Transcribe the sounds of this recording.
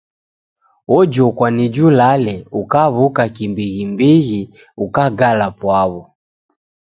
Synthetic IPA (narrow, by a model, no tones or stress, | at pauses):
ɔd͡ʒɔkwanid͡ʒulalɛukaβukakimbiɣimbiɣi | ukaɡalapwaβɔ